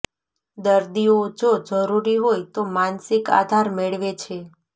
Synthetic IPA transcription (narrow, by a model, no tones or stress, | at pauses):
d̪əɾd̪iod͡ʒod͡ʒəɾuɾiɦojt̪omansɪka̰d̪ʱaɾmeɭʋet͡ʃʰe